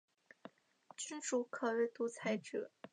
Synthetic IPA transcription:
t͡ɕy˥nʈ͡ʂu˧˥kʰɤ˨˩e˧˩ɪt̪u˧˥t͡sʰa˧˥ɪʈ͡ʂɤ˨˩˦

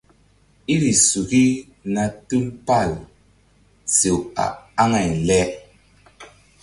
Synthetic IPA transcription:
i˦ɾi˨su˨ɣi˦ | na˨tu˦lpa˦˨l | t͡se˨wa̰˨a˦ŋa˨n̩˨lɛ˦

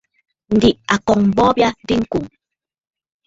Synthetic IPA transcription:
n̩˨di˨ʔa˨kɔ˨ŋm̩˨bɔ˦bja˦di˦ŋ̩˦ku˨ŋ

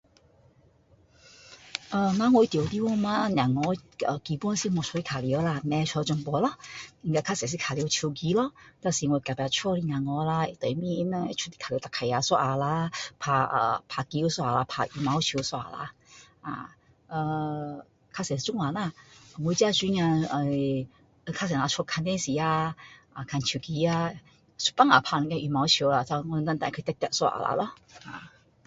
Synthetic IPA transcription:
ʔə˨˧na˧˦ŋɔ˧i˧˦˩t̪jwt̪i˧˦wɔ˥˧ma˦˧˨njã˨˩ŋɔ˨˧˦ə˨˩ki˧pɔ˥˦nsi˧˥mɔ˧˨t͡ʃʰɔ˧i˧kʰa˨˩li˧˨˧wla˧nɛ˧t͡ʃʰɔ˧t͡ɕɔ˧ŋpɔ˧˦lɔ˦i˧ŋka˧kʰa˧˥sɛ˨˩s̬i˧˥kʰa˨˩li˧˦t͡ɕʰi˧ki˧lɔ˧˦t̪a˧˩si˧˨ŋɔ˧ka˨˩pa˧˩t͡ʃʰɔ˥li˧nã˨ŋɔ˨˧la˧i˧˨t̪ə˨˩jmĩ˧˦nɛ˧t͡ʃʰu˥t̪i̥˧kʰa˨li˧˦t̪a˧˨kʰa˨˩ja˨˧˦swɔ˧ʔa˨˩la˧pʰa˧ʔə̰ː˨˩pʰa˧ki˧˦u˦swa˧ʔa˨la˧pʰa˧ʔi˨ma˨˧˦wt͡ʃʰi˧˦swa˧a˨la̰˧ | a̰˨ | ʔə˧ | kʰa˧sɛ˨˧t͡ʃu˦ŋla˨na˧˩ə˨ŋʷwu˧˦t͡ɕi˦a˦˧t͡ʃi˧˦ŋa˧ə˧ | ʔə˧kʰa˧s̬ɛ˨na˧t͡ʃʰo˧kʰa˧ne˦˧˦si˨a˧ʔa˨kʰa˧nt͡ʃʰu˨˩ki˧˦a˧ | su̥˧˦pa˦˨ŋa˨pʰa˧n˨˧ka˧ʔi˧˩ma˨˧˦wt͡ʃʰi˧o˧la˨ta˧ŋɔ˧ə˧t̪a˧t̪ã˧˨kʰə˧t̪ɛ˧t̪a˧ʔswa˧ʔa̰˨la̰˧˨lɔ˦ | ʔa̰˨

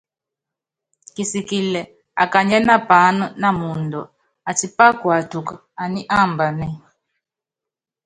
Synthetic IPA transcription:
ki˨si˨ki˨lɛ˨ | a̰˨ka˨ɲɛ˦na˦pa˨˦nu˦na˦mu˨ndɔ˨ | a˨t͡ʃi˨pa˦kwa˨tu˨ka˨a˨ni˦ʔa˦˨mba˨nɛ˦˨

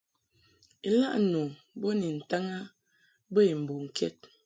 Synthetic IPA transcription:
e˨la̰˦ʔno˨ | bo˦ni˨n̩˨ta˦ŋa˦ | bə˦e˨m̩˨bo˨ŋ̩˨kʰɛ̰˦t̚

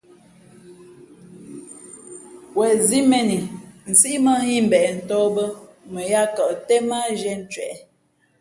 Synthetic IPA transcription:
wɛ˨zi˦mɛ˦ni˨n̩˨si˦ʔmə˦hi˦m̩˨bɛ˨ɛ˨n̩˨tɔ˦bə˦ | mə˨ja˦kə˨ʔtɛ˦ma˦d͡ʒɛ˦n̩˨t͡ʃɥɛ̰˨ʔ

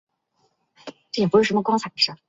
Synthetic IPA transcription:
ʈ͡ʂɤ˥˩jpu˥ʂɻ̩˥˩ʂə˧˥mə˧kwɑ˥ŋt͡sʰa˨˩ə˧˩ʂa˥˩

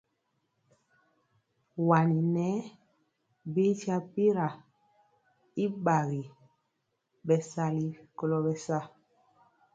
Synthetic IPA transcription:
wa˨ni˨nɛ˦ | bi˦ti˦a˦pi˦ɾa˨ | i˦ɓa˨ɣi˨ | ɓɛ˨sa˦li˦ko˨lɔ˨bɛ˨sa˦˨

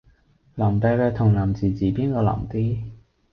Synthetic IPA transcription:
laː˨˩mt̪ɐ˨˧lɛː˧t̪ʰʊ˨˩ŋlaː˨˩mt͡siː˨˩t͡siː˨˩piː˥nkɔː˧la̰ː˨˩mt̪iː˥

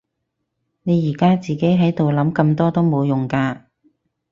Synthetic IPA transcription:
ne˨˧jiː˨˩kaː˥t͡siː˨ke˨˥jɦɐ˨˥jt̪o˨wlɐ˨˥mkɐ˧mt̪ɔː˥t̪o˥wmo˨˧wjʊ˨˩ŋkaː˧

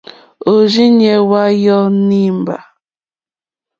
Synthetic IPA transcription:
o˨ʒi˦ɲe˦wa˦jɔ˦ni˦m̩˨ba̰˨

